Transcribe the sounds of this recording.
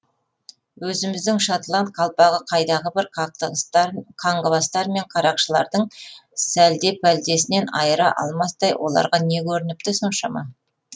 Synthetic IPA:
wɵzɪmɪzd̪ɪŋʃat̪lˠant̪̚qʰɑlˠpɑʁəqʰɑjd̪ɑʁəbɪɾ | qʰɑɴʁəbɑst̪ɑɾme̞ɴqʰɑɾɑqʃəlˠɑ̰ɾd̪əɴsæld̪e̞pæld̪e̞sɪne̞nɑjəɾɑʔɑ̰lˠmɑsd̪ɑjwʔo̞̰lˠɑ̰ɾʁɑne̞kʲʰɵɾɪnɪp̚t̪ɪso̞nʃɑmɑ̰

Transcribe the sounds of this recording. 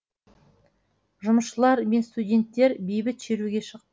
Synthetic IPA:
ʒʊməsʃəlˠɑɾme̞nst̪udʲe̞nt̪ːe̞ɾbejbɪt̪ʃeɾuɡʲe̞ʃəq̚t̪ə

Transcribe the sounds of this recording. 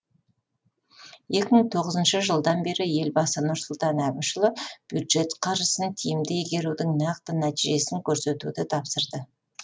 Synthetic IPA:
je̞kʲɪməŋt̪ʰo̞ʁəzənʃəʒəlˠd̪ɑnbe̞ɾɪje̞lbɑsənʊɾsʊlˠt̪ɑnæbɪnʃəlˠəb̥jud̪ʒe̞t̪qʰɑɾʒəsənt̪ʰijɪmd̪eɡʲe̞ɾud̪ɪŋnɑqt̪ənæt̪iʒe̞sɪŋkʲʰɵɾse̞t̪ṵd̪ɪt̪ʰɑpsəɾd̪ə

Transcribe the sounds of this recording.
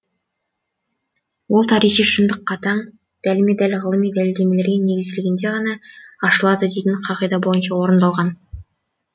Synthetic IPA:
wo̞lˠt̪ʰɑɾijχijʃənd̪əqːɑt̪ʰɑɴ | d̪̥ælɪmed̪ælʁəlˠəmijd̪ælɪld̪e̞me̞le̞ɾɡʲene̞ɡʲɪzɪlɪɡʲɪnd̪e̞ʁɑnɑɑʃəlˠɑd̪əd̪e̞t̪ʲɪɴqʰɑʁijd̪ɑbo̞jənʃɑwo̞ɾənd̪ɑlˠʁɑn

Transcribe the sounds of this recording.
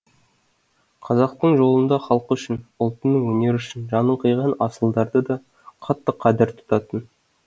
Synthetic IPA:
qʰɑzɑq̚t̪əɴʒo̞lˠənd̪ɑχɑlˠqəʏʃɪnʊlˠt̪ənəŋwɵne̞ɾʏʃɪnʒɑnəɴqʰəjʁɑnɑsəlˠd̪ɑɾd̪əd̪ɑ | qʰɑt̪ːəqʰːɑd̪ɪɾt̪ʰʊ̥t̪ɑt̪ən

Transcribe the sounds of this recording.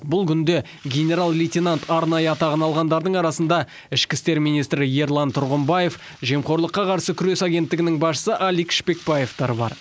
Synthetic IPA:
bʊlˠkʲʰʏnd̪e̞ | ɡʲe̞nʲe̞ɾalˠlʲijt̪ʲenant̪ʰɑɾnɑjəɑt̪ɑʁənɑlˠʁɑnd̪ɑɾd̪əɴɑɾɑsənd̪ɑ | ɪʃkʲɪst̪e̞ɾmijnijst̪ɾɪje̞ɾlˠɑnt̪ʰʊɾʁəmbaje̞f | ʒe̞mχo̞ɾlˠəqːɑqʰɑɾsəkʲʰʏɾe̞saɡʲe̞nt̪ːɪɡʲɪnɪŋbɑsʃə̥səʔɑlijkʃpe̞k̚paje̞ft̪ɑɾbɑ̰ɾ

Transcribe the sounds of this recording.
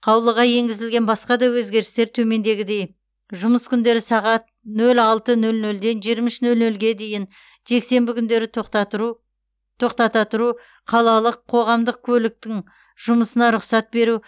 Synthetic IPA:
qʰɑwlˠəʁɑje̞ŋɡʲɪzɪlɡʲe̞nbɑsqɑd̪ɑwɵzɡʲe̞ɾɪst̪e̞ɾt̪ʰɵme̞nd̪e̞ɡʲɪd̪e̞j | ʒʊməskʲʰʏnd̪e̞ɾɪsɑʁɑt̪̚ | nɵlɑlˠt̪ənɵlnɵld̪e̞nʒijɾmɪʃnɵlnɵlɡʲe̞d̪e̞jɪn | ʒe̞kse̞mbɪkʲʰʏnd̪e̞ɾɪ | t̪ʰo̞qt̪ɑt̪ɑt̪əɾu | qʰɑlˠɑlˠəqʰo̞ʁɑmd̪əq̚kʲʰɵlɪk̚t̪ɪŋ | ʒ̥ʊməsənɑɾʊqsɑt̪̚be̞ɾu

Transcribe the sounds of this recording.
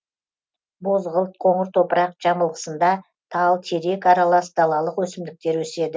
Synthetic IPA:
bo̞zʁəlˠt̪̚qʰo̞ɴəɾt̪ʰo̞pəɾɑqʒ̥ɑməlˠʁə̥sənd̪ɑ | t̪ʰɑlˠt̪ʰe̞ɾe̞kɑɾɑlˠɑsd̪ɑlˠɑlˠəqwɵsɪmd̪ɪk̚t̪e̞ɾwɵse̞d̪ɪ

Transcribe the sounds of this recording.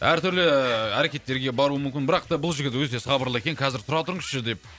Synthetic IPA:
æɾt̪ʰʏɾlɪæɾe̞kʲe̞t̪ːe̞ɾɡʲe̞bɑɾuəmʏmkʲɪnbɪɾɑqt̪ɑbʊlˠʒɪɡʲɪt̪wɵt̪e̞sʁɑbəɾlˠəekʲe̞nqʰɑzɪɾt̪ʰʊɾɑt̪ʊɾɴəzʃəd̪e̞p̚

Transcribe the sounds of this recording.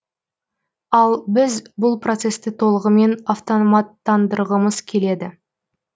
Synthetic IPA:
ɑlˠbɪzbʊlˠpro̞t̪se̞st̪ɪt̪ʰo̞lˠəʁəme̞naft̪onmɑt̪ːɑnd̪əɾʁəməzkʲʰe̞le̞d̪ɪ

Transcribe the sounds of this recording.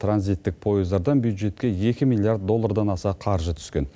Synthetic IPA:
t̪ʰranzijt̪ːɪk̚pʰo̞jɪzd̪ɑɾd̪ɑnbjud̪ʒe̞t̪̚kʲe̞je̞kʲɪmilʲːˠiard̪̚ːo̞lˠːaɾd̪ɑnɑsɑqʰɑɾʒət̪ʰʏ̥skʲe̞n

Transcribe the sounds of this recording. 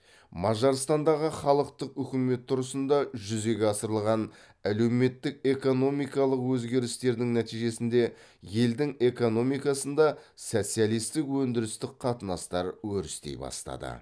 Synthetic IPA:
mɑʒɑɾst̪ɑnd̪ɑʁəχɑlˠəqt̪əqʏkʲɪme̞t̪ʰːʊɾəsənd̪ɑʒʏze̞ɡʲeɑsəɾəlˠʁɑn | æle̞wme̞t̪ːɪk̚e̞ko̞no̞mijkɑlˠəqwɵzɡʲe̞ɾɪst̪e̞ɾd̪ɪŋnæt̪ijʒe̞sɪnd̪e̞ | je̞ld̪ɪŋe̞ko̞no̞mijkɑsənd̪ɑso̞t̪sijalˠijst̪ɪkwɵnd̪ɪɾɪst̪ɪk̚qʰɑt̪ənɑst̪ɑɾwɵɾɪst̪ḛjbɑ̰st̪ɑ̰d̪ə̰

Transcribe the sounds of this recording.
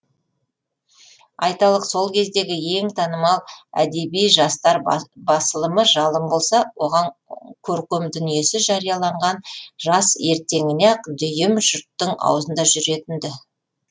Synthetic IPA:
ɑjt̪ɑlˠəqso̞lˠkʲʰe̞zd̪e̞ɡʲɪje̞ŋt̪ʰɑnəmɑlˠæ̰d̪e̞bijʒɑst̪ɑɾbɑsəlˠəməʒɑlˠəmbo̞lˠsɑwo̞ʁɑŋkʲʰɵɾkʲɵmd̪ʏnije̞sɪʒɑɾijɑlˠɑɴʁɑnʒɑse̞ɾt̪e̞ŋɪneqd̪ʏjɪmʒʊɾt̪ːəŋɑ̰wzənd̪ɑʒʏɾe̞t̪ɪnd̪ɪ

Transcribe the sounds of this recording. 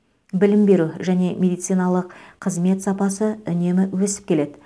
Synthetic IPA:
bɪlɪmbe̞ɾuʒæne̞mʲe̞d̪ijt̪sɨjnɑlˠəqqʰəzme̞t̪sɑpɑsəʏne̞mɪwɵsɪ̥p̚kʲele̞d̪ɪ

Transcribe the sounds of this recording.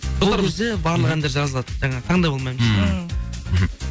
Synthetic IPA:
bolˠɑɾwɪzd̪ɪbɑɾlˠəʁɑnd̪eɾʒɑzəlˠɑd̪ə̥ʒɑɴɑt̪ʰɑɴd̪ɑjbolˠmɑjməz | m̩

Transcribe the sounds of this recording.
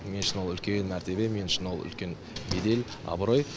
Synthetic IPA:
menʃɪnwolˠʏlkʲenmæɾt̪e̞be̞me̞nʃɪnwo̞lˠʏ̰lkʲe̞n | bed̪e̞l | ɑ̰bɾoj

